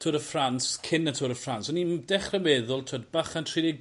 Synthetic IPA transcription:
tʰoɾəfranskʰɪnətʰʊːɾəfransɔnindɛχrəmɛðʊlˠtʰodbaχantʰriːdɪɡ

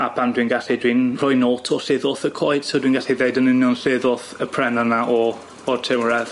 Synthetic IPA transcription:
abʰandwinɡaɬidwinrɔjnoːtʰɔɬɪðɔθəkʰɔɨd̥sɛdwiːnɡaɬiðeɨdənɪnjɔnɬɪðɔθəpʰrɛnanaʔɔ | ɔrtʰɪmrɛð

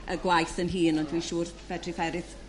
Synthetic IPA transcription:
ʔəɡwajθənɦiːnɔndʰwiʃuːrb̥ɛdʰrɪfɛɾɪθ

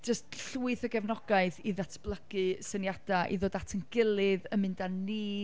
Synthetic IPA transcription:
d͡ʒəstɬuɨθəɡɛvnɔɡ̥aɨθiðatʰb̥lˠəɡ̥ɨsənjad̥aʔḭðoːdatʰənɡ̥ɪlˠɪðəmɨndanːiː

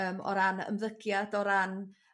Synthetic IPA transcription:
əːmɔ̰ɾanə̰mðəɡ̥jadɔɾan

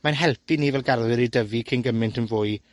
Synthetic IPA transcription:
manɦɛlˠpʰiniːvɛlˠɡarlɪɾidəvikʰɪnɡəmɪntənvʊːɨ

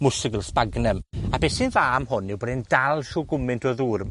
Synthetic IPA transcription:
mʊsɪɡəlˠspaɡnəmabɛsɪnðaːmhʊnːɪwbɔdɛndalˠʃuːɡʊmɪntʰɔðuːr

